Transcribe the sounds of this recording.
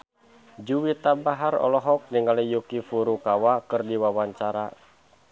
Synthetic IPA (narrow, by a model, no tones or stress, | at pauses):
d͡ʒuwit̪abaɦarɔ̰lɔɦɔk̚niŋalijukifuɾukawakɨrdiwawaɲt͡ʃaɾa